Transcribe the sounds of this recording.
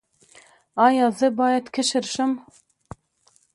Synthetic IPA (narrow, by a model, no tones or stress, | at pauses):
ɑːjɑːzɨbɑːjɛt̪kʰəʃɨɾʃɪm